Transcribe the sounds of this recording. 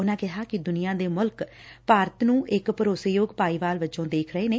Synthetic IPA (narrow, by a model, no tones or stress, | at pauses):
ʊnãːkɪɦaːkɪd̪ʊnɪjãːd̪eːmʊlkpaːɾət̪nũːʔɪkpəɾoːseːjoːɡpaːiːʋaːlʋət͡ʃõːd̪eːkʰɾəeːneː